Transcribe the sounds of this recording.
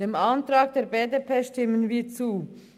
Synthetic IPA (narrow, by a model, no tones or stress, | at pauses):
d̥eːmantʁ̥aːk̚d̥eːɐbeːdeːpʰeːʃtɪmənviːt͡suː